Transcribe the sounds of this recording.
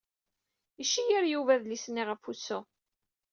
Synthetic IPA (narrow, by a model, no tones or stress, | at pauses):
iʃːijiɾjuvæðlisnːiʁəfusːu